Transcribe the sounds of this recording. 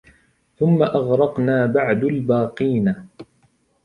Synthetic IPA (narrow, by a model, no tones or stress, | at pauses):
θʊmːaʔɑɣɾˤɑqnaːbaʕd̪albaːqiːna